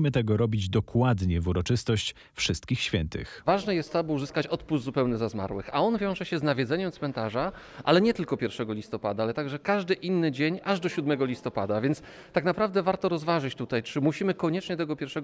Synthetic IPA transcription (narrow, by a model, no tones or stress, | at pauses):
imɘt̪ɛɡɔɾɔbʲid͡ʑd̪ɔkwad̪ɲɛvuɾɔt͡ʂɘst̪ɔɕt͡ɕ | fʂɘst̪̚kʲixɕfʲjɛnt̪ɘ̰xvaʐnɛjɛst̪ːɔbɨuzɘskat͡ɕɔt̪puzzupɛwnɛzazma̰ɾwɘ̰xa̰ɔnvʲjɔw̃ʐɛɕɛznavʲjɛd̪zɛɲɛmt̪smɛnt̪aʐa | ʔa̰lɛɲɛt̪ɘlkɔpʲjɛɾfʂɛɡɔlʲist̪ɔpad̪aalɛt̪aɡʐɛkaʐd̪ɘʔinːɘd͡ʑeɲaʐd̪ɔɕud̪mɛɡɔlʲist̪ɔpad̪avʲjɛnt̪s | t̪aknapɾavd̪ɛvaɾt̪ɔɾɔzvaʐɘt͡ɕt̪ut̪ajt͡ʂɘmuɕimɘkɔɲɛt͡ʂɲɛt̪ɛɡɔpʲjɛɾfʂɛɡ